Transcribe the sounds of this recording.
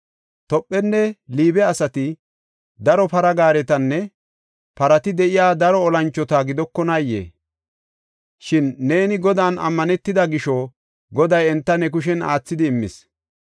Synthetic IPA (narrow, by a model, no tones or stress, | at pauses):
t̪ɔpʼːɛnːɛliːbɛɐsɐt̪ɪ | d̪ɐɾɔpɐɾɐɡaːɾɛt̪ɐnːɛ | pɐɾɐt̪ɪd̪ɛʔɪjaːd̪ɐɾɔːlɐnt͡ʃːɔt̪aɡɪd̪ɔkːɔnɐjḛː | ʃɪnːe̞ːnɪɡɔd̪aːnʔɐ̰mːɐnɛt̪ːɪd̪ɐɡɪʃɔ | ɡɔd̪ɐjɛnt̪ːɐnɛk̬ʊʃ̬ɛna̰ːt͡sːɪd̪ɪːmːɪs